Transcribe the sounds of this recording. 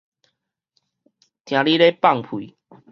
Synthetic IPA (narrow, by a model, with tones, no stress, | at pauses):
t̪ʰj̃ã˨˦li˦le˦pa˥˨ŋpʰu˨